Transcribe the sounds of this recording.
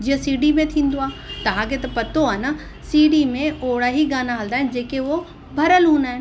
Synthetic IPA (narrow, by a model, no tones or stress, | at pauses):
d͡ʒiə̃siːɖimẽt̪ʰĩːnd̪oaːt̪ɐʋ̤ãket̪ɐpɐt̪oana | siːɖimẽoːɽaːɦiɡaːnaɦɐld̪aːɦend͡ʒeːkeʋo | bʱɐɾəlɦũːnd̪aːɦen